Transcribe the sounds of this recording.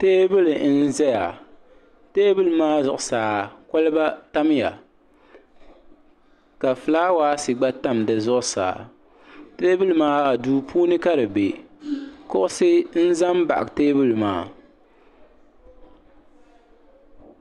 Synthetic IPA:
teː˦bɨ˦lɨ˨˦n̩˦zɛ˦ja˨ | teː˦bɨ˦lɨ˨maː˦zʊ˨ʔʊ˨saː˨ko˦lɨ˦ba˦ta˦m˦ja̰˨ | ka˨fɨ˨laː˦waː˦si˨ɡ͡ba˦ta˦mdɨ˨zʊ˦ʔʊ˦sa̰ː˨ | te˦bɨ˦lɨ˨maː˦a˨duː˦pʰuː˦nɨ˦ka˦ɾɨ˨be˨ | kʊ˦ʔʊ˦sɨ˦n̩˦za˦mba̰˨ʔa˨teː˦bɨ˦lɨ˨ma̰ː˦

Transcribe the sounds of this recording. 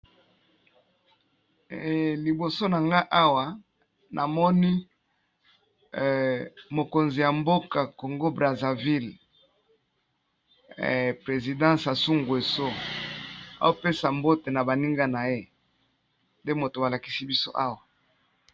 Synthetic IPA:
li˨bo˨so˦na˨ŋɡa˦ʔa˦wa˨ | nʔa˨mɔ˦ni˦ | mo˨ko˨nzi˨ja˨mbo˦ka˨ko˨ŋɡo˦bʁa˨za˨vi˦l | pʁe˨zi˨dɑ̃˦sa˨su˦ŋɡu˨e˨so˦ | a̰˦o˦pe˦sa˨mbo˦te˨na˨ba˨ni˦ŋɡa˦na˨je˦ | nde˦mo˨to˨a˨la˨ki̥˨si˦bi˦so˦ʔa˦wa˨

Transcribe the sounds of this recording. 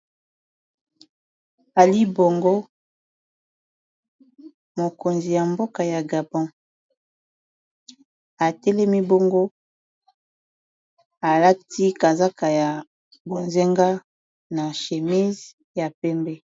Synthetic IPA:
a˨li˦bo˨ŋɡo˦ | mo˨ko˨nzi˨ja˨mbo˦ka˨ja˨ɡa˨bɔ̃˦ | a˨tɛ˦lɛ˦mi˦bo˦ŋɡo˦ | a˨la˦ti˦ka˨za˦ka˨ja˨ | bo˨nze˦ŋɡa˦ | na˨ʃe˨mi˦z | ja˨pɛ˦mbɛ˦

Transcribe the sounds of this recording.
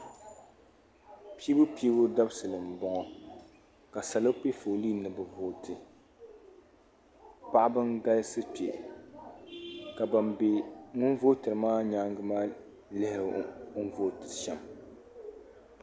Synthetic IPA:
pi˦bʊ˦pi˦bʊ˦da˦bsɨ˨lɨ˨m̩˨bɔ˦ŋɔ˦ | ka˨sa˨lo˦k͡pe˦fo˨liː˦nɨ˨bɨ˦voː˦tʰɨ˨ | pa˦ʔbɨ˦ŋɡa˦lsɨ˦pe˨ | ka˨ba˨mbe˨ŋʊ˦n˦vo˦tɨ˨ɾɨ˨maː˦ɲaː˦ŋɡɨ˦maː˦ | lɪ˦ho˦n˦vo˦tɨ˨ɾʃɛ˨m

